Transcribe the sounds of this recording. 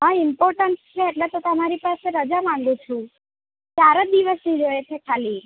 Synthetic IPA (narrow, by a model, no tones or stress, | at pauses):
ɦaimpɔɾʈənst͡ʃʰeːʈlet̪ot̪əmaɾipaseɾəd͡ʒamãŋɡũt͡ʃʰũ | kjaɾod̪iʋəsnid͡ʒojet͡ʃʰekʰali